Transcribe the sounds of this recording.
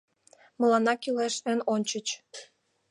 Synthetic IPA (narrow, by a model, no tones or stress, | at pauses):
mə̆lɑnɑkileʃnenonʲt͡ɕət͡ɕ